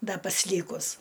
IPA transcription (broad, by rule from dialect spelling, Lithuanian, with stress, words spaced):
ˈdɐ pɐsʲˈlʲiːkʊs